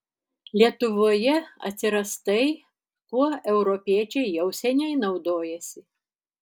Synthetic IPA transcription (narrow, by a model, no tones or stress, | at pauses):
lʲiɛt̪ʊʋoːjɛɐ̰t̪ʲsʲɪɾɐst̪ɐɪ | kuɔɛʊɾɔpʲiɛt͡ʃʲɛɪjɛʊsʲɛnʲɛɪnɐʊd̪oːjɛsʲɪ